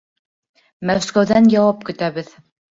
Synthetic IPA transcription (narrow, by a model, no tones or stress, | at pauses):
mæskæwðænjɑwɑp̚kɵ̆t̪æβɘð